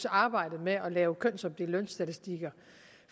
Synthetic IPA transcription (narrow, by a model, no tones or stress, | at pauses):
sɑ̈ːb̥ɑ̈ɪ̰d̥ð̩ˠmeɒ̽lɛːʊkʰøn̰sɒ̽md̥elønsd̥æt͡sʰisd̥iɡ̥ɐ